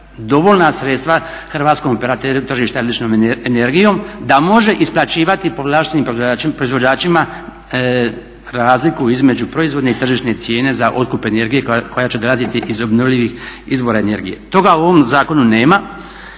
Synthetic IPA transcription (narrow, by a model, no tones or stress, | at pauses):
d̪o̞ʋo̞lnasɾet̪st̪ʋa | xr̩ʋaːt̪skomopeɾat̪eɾut̪r̩ʒiːʃt̪alit͡ʃnoːmeneɾɡijo̞md̪amo̞ʒe̞ʔisplˠat͡ɕiːʋat̪ipoʋlˠaːʃt̪eniːmpɾopɾo̞izʋo̞d͡ʑaːt͡ʃima | ɾaːzlikuizme̞d͡ʑupɾo̞izʋo̞d̪ne̞it̪r̩ʒiʃne̞t̪sje̞ːne̞zaʔo̞t̪̚kupe̞ne̞ɾɡije̞ko̞jat͡ɕe̞d̪o̞lˠazit̪iʔizo̞bnoʋʎiʋixizʋo̞ɾaene̞ɾɡije̞̰t̪o̞ɡauo̞ʋo̞mzaːko̞nune̞ːma